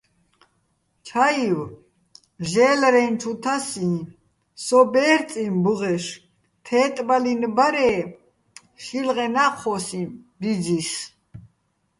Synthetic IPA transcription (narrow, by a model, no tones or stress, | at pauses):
t͡ʃʰaiw | ʒɛːlɾɛnt͡ʃʰut̪ʰasĩ | sɔbɛɾt͡sʼimbəʁɛʃ | t̪ʰɛːt̪ʼbalinbaɾɛː | ʃilʁɛnaχʰɔsibid͡zis